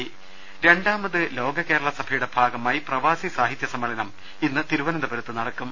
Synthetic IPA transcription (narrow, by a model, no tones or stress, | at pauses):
i | ɾe̞ɳɖaːmɐðɨlo̞ːɡɐke̞ːɾɐɭɐsɐbʱɐjuɽe̞bʱaːɡɐmaːjiprɐʋaːsisaːɦit̪jɐsɐmːɐɭɐnɐm | inːɨt̪iɾuʋɐnɐd̪ɐbɐɾut̪ːɨnɐɽɐkːum